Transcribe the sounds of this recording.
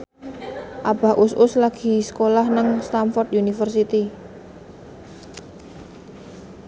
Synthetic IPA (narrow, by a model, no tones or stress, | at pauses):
ʔab̥a̤ʔʊsʔʊslaɡ̥i̤sə̥kolahnəŋst̪amfɔrt̪junifərsit̪i